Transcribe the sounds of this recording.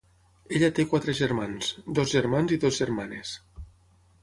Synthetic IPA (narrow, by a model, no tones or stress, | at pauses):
eʎat̪ekwat̪ɾeʒeɾmansd̪ozʒeɾmanziðozʒeɾmanes